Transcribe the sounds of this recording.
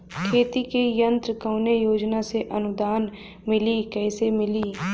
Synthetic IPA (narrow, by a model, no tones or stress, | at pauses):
kʰeːt̪ikejə̃nt̪ɾəkə̃ːnejoːd͡ʒnaseʔənʊd̪aːn | mɪlikɛːsemɪliː